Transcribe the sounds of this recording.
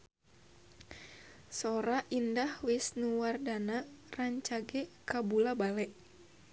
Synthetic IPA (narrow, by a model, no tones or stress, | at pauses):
soɾaʔindahwɪsnuwardanaraɲt͡ʃaɡɛkabulabalɛʔ